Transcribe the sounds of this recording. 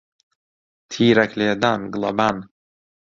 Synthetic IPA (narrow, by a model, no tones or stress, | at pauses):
t̪ʰiɾɛklɪd̪anɡlˠaban